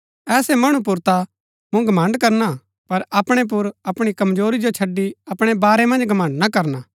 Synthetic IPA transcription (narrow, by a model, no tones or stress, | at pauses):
ɛːsemɐɽ̃ũp̬ʊɾt̪a | mũɡɐmɐ̃ɳɖkɐɾna | pɐɾɐpɽ̃ep̬ʊɾɐpɽ̃ikɐmd͡ʒoːɾid͡ʒot͡ʃʰɐɖːiɐpɽ̃ebaːɾemɐ̃nd͡ʒɡɐmə̃ɳɖnɐkɐɾnaː